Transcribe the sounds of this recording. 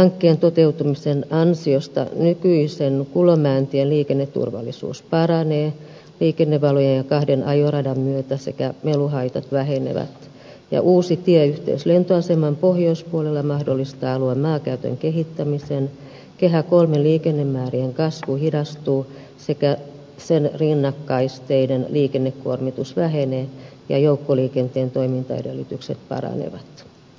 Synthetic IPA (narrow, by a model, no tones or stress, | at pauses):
hɑŋkːeːnt̪ot̪eut̪umisenɑnsiost̪ɑ̰nykyisenkulomæːnt̪ieliːkenːet̪ːṵrʋɑ̰lːḭsṵːspɑrɑneː | liːkenːeʋʋɑlojejjɑkɑhdenʔɑjorɑdɑmmyøt̪æsḛkæmeluɦɑit̪ɑt̪ʋæhenḛʋæ̰t̪ | jɑ̰ʔuːsit̪iæyht̪ḛyslent̪oɑsemɑmpohjoispuolelːɑmɑhdolːist̪ɑːɑluɑmmɑːkæyt̪ø̰ŋkeɦit̪ːæmisen | keɦækolmelliːkenːemːæːrieŋkɑsʋuhidɑst̪uː | sekæ | senrinːɑkːɑist̪eidenliːkenːekko̰rmit̪usʋæɦeneː | jɑ̰joukːoliːkent̪eːnt̪oimint̪ɑ̰ḛdelːit̪yksḛt̪̚pɑ̰ɾɑ̰nḛʋɑt̪